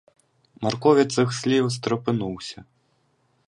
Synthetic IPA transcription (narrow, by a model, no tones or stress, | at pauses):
markɔvʲɛt̪sɨxsʲlʲiws̬t̪ɾɨpɨnuwsʲɐ